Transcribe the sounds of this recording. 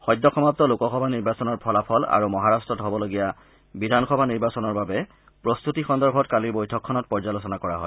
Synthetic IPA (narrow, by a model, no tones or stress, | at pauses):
xɔjdʱːɔxɔmap̚tɔlokɔxɔbʱaniɹbasɔnɔɹpʰɔlapʰɔla̰ɹumɔɦaɹastɹɔtɦɔbɔloɡija | bidʱanxɔbʱaniɹbasɔnɔɹbabɛ | pɹost̪utixɔndɔɹbʱɔtkaliɹbojtʰɔkʰːɔnɔt̚pɔɹzalos̬ɔnakɔɹaɦɔj